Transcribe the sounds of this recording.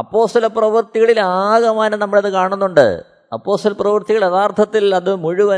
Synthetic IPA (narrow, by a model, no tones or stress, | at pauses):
ɐpːo̞ːst̪ɐlɐprɐʋɨrt̪iɣɐɭilaːɣɐmaːnɐnɐmːɐɭɐðɨkaːɳunːuɳɖɨ̰ | ɐ̰pːo̞ːst̪ɐlɐprɐʋɨrt̪iɣɐɭeðaːrt̪ʰɐt̪ːilɐðɨmuɻuʋɐ